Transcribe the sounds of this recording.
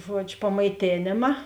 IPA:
ˈʒuɔd͡ʒʲʊ pɐmɐɪˈtʲeːnʲeːmɐ

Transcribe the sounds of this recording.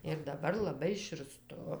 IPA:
ɪr dɐˈbɐr lˠɐˈbɐɪ ʃʲɪrˈstʊ

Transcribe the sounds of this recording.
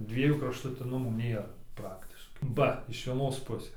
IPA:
ˈdʲʋʲiɛjuː krɐʃtʊˈtʲɪnʊmuː ˈnʲeːrɐ ˈprɑːktʲɪʃkɐɪ ˈbɐ ɪʃ ʋʲiɛˈnoːs ˈpʊsʲeːs

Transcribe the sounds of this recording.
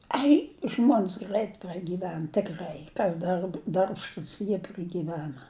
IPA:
ˈɐɪ ˈʒmoːnʲs ˈɡrɐɪt prɐɡʲiːˈʋʲɛn tʲɪkˈrɐɪ ˈkɐs dɐrp dɐrpʃˈtuːs jiɛ prɐɡʲiːˈʋʲæːnɐ

